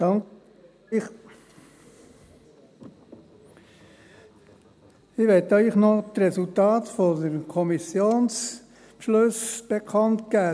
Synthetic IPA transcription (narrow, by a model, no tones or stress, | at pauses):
d̥ɑŋk | χ | ɪʋɛt̪œʏχnɔtɾɛsultɑːtfɔdəɾkʰɔmisjoːns | pʃlɵsb̥ekʰɑntɡ̥æː